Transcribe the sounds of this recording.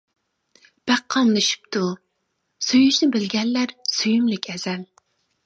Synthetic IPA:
b̥æqʰːɑmlɨʃy̥p̚t̪ʰu | syjyʃnɪbɪlɡʲɛnːæɾsyjymlɪkʲʰɛz̥ɛl

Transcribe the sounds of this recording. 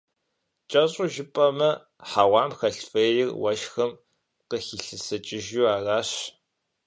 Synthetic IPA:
t͡ʃʼɐɕʼʊʒɪpʼɐmɐ | ħaːwɑːmxɐɬfejɪrwɐʃxɐm | qəxiːɬɨsɐt͡ʃʼɪʒuːaːraːɕ

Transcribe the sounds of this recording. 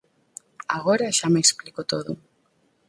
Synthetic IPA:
aɣoɾɐʃameesplikot̪oðʊ̰

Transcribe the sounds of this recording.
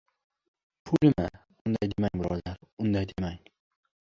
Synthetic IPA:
pʰʊlɪma | ʊnd̪ajd̪emaŋʲbʊɾɒ̰aɾʊnd̪ajd̪emaŋ

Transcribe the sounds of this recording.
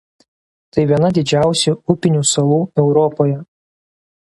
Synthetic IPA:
t̪ɐɪʋʲiɛnɐd̪ʲɪd͡ʒʲæˑʊsʲuʊpʲɪnʲuːsɐlˠuːɛʊɾɔpoːjɛ

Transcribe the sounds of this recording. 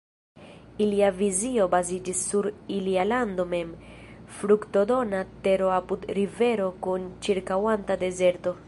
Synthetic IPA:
iliavizio̞bazid͡ʒisːuɾilialand̪o̞me̞mfɾukto̞do̞nate̞ɾo̞apudɾive̞ɾo̞kunt͡ʃiɾkawantade̞ze̞ɾto̞

